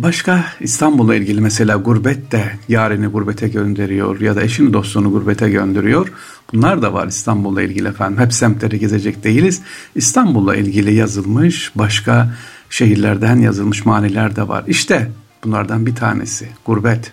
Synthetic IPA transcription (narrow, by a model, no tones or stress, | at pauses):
baʃkaist̪ʰambulˠːailʲɟilʲimɛse̞lʲaːɡuɾbɛt̪ːɛjaːɾiniɡuɾbet̪ʰɛɟønd̪e̞ɾijo̞̰ɾjad̪aeʃinid̪o̞st̪unuɡuɾbet̪ʰɛɟønd̪eɾijo̞ɾ | b̥unlˠaɾd̪ava̰ɾist̪ʰanbulˠːa̰ilʲɟilʲiɛfænd̪imhɛpsæmt̪lʲeɾiɟeze̞d͡ʒɛcd̪e̞jilʲiz̥ | ist̪ʰambulˠːa̰ʔilʲɟilʲijazɯlˠmɯʃbaʃkʰa | ʃe̞ɦiɾlʲæɾd̪ænjazɯlˠmɯʃmaːnilʲæɾd̪ɛva̰ɾiʃt̪ʰɛb̥unlˠa̰ɾd̪anbit̪ʰa̰ːnḛsiɡ̥uɾbɛt̪